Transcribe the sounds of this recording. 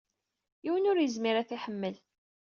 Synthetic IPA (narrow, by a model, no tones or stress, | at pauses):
iwənʊɾjəzmɪɾæθiħəmːəl